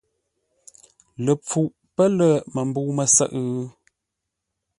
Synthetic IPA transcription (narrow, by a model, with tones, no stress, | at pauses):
lə˨p͡fu˨ʔ | pə˦lə˦˨mə˨mbu˦mə˨sə̰˦˨ʔɣ